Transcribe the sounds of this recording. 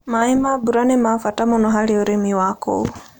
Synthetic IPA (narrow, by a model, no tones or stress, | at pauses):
maimabuɾanimafatamɔnɔɦaliɔɾɛmiwakɔ̰